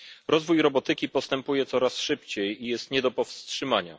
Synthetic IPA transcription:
ɾʔɔzvujɾɔbɔt̪ɘkʲipɔst̪ɛmpujɛt̪sɔɾasʂɘpt͡ɕejijɛst̪ɲɛd̪ɔpɔfstʂɘmaɲa̰

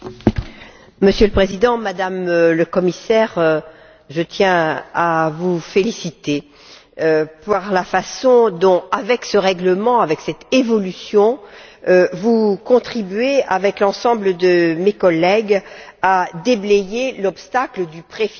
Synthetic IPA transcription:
məsjøləpχezid̪ɑ̃mad̪amləkɔmisɛʁ | ʒət̪jɛ̃avufelisit̪e | paʁlafasɔ̃d̪ɔ̃avɛksəʁɛɡləmɑ̃avɛksɛt̪evɔlysjɔ̃ | vukɔ̃t̪χibɥeavɛklɑ̃sɑ̃bləd̪əmekɔlɛɡad̪eblɛjelɔpst̪akləd̪ypχef

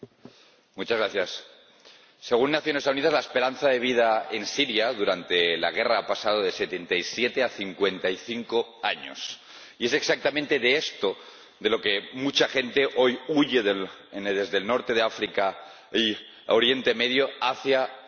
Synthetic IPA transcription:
mut͡ʃazɣɾaθjasː | eɣ̞unːaθjo̞nesauniðazlaespe̞ɾanθaðe̞β̞ið̞aensiɾjaðuɾant̪e̞la̰ɣ̞eraapasað̞oðese̞t̪ent̪ajsjet̪eaθiŋkwe̞nt̪ajθiŋkoaɲo̰s | ie̞se̞ksak̚t̪amẽnt̪e̞ðeest̪o | ðe̞lo̞kemut͡ʃaxe̞nt̪e̞ʔo̞juʝeðelnðezðelnoɾt̪e̞ð̞eafɾika | i | oɾje̞nt̪emeðjoaθja

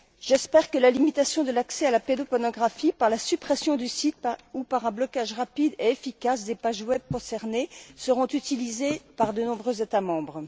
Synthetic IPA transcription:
ʒ̥ɛspɛʁkəlalimit̪asjɔ̃d̪əlaksɛalaped̪opɔnɔɡʁafipaʁlasypχɛsjɔ̃d̪ysit̪̚upaʁɛ̃blɔkaʒʁapid̪eefikʲasd̪epaʒwɛb̚kɔ̃sɛʁnesəʁɔ̃t̪yt̪ilizepaʁd̪ənɔ̃bʁøzet̪amɑ̃bʁ

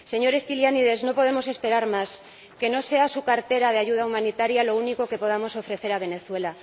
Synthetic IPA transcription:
se̞ɲo̞ɾe̞st̪iljaniðe̞zno̞po̞ðemo̞se̞spe̞ɾaɾmas | ke̞no̞se̞asukaɾt̪e̞ɾaðeaʝuð̞aumãnit̪aɾjalo̞uniko̞ke̞po̞ð̞amo̞so̞fɾe̞θe̞ɾaβ̞e̞ne̞θwe̞la

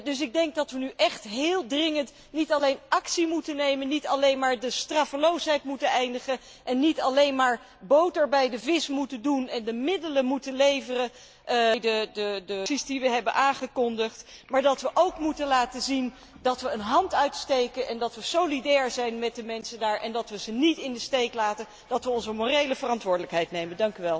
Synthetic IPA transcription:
dɵs̬ɪɡ̚dɛŋk̚dɑtʋənyʔɛχtɦɪːlˠdrɪŋənt | nitɑlejnʔɑksimutənejmənitɑlejnmaːɹdəstrɑfəlowsɦɛjtmutənɛjndəχə | ʔɛnːitɑlejnmaːɹ | bowtəɹbɛjdəvɪsmutəndunɛndəmɪdələmutənlejvərə | ʔjdədədəsizdiʋəɦɛbənʔaːχəkɔndəχtmaːɹdɑtʋəʔowkmutənlaːtəzin | dɑtʋəːnɦɑntœɥtstejkənʔɛndɑtʋəsowlidɛːɹzɛjnmɛt̚dəmɛnsədaːɹʔɛndɑtʋəzənitɪndəstejklaːtən | d̥ɑtʋəɔnzəmorejləvərɑntʋʊːɹdələkɦɛjtnejməndɑŋkyʋɛlˠ

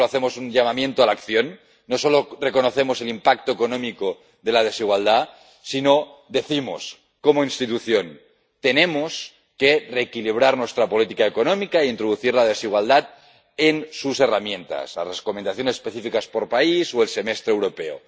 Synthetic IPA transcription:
aθemosunʎamamjent̪oalakθjonː | osolorekonoθe̞mose̞limpak̚t̪oekonõmiko | ðe̞lað̞e̞siɣwald̪a | sino̞d̪e̞θimo̰s | komoinst̪it̪uθjon | t̪enemos | kereːkiliβ̞ɾaɾnwest̪ɾapo̞lit̪ikaekonõmikaiint̪ɾoð̞uθiɾlað̞esiɣ̞wald̪at̪̚ | ensuse̞ramjẽnt̪a̰sla̰zreskomend̪aθjonesespeθifikaspoɾpaisoelse̞mest̪ɾewɾo̞peo̰

